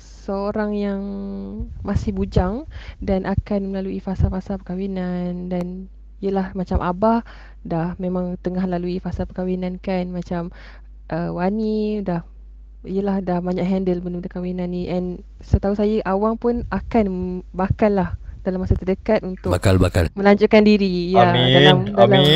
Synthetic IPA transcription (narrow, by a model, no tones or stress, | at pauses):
səoɾaŋjaŋ | masɪhbud͡ʒaŋdanʔakanməlaluifasafasapəkawinandan | ijəlahmat͡ʃamʔabah | dahmemãŋt̪əŋahməlaluifasapəkawinãnkanmãt͡ʃam | ʔəwanidah | ijəlahdahbaɲaʔɦɛndəlbənudəkawinãnːĩʔɛn | sət̪ausajəʔawaŋpʊnakanbakalːahd̥alamasat̪ədəkat̪unt̪ʊkalbaka̰lmə̃laɲd͡ʒʊʔkandiɾijaalamdala